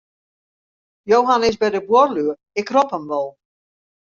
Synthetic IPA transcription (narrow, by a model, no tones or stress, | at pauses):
jowɦanɪs̬bɛdəbworlyə | ɪkrɔpəmʋɔlˠ